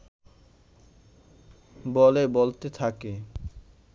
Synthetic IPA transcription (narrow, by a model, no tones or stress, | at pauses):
bɔlebolt̪et̪ʰake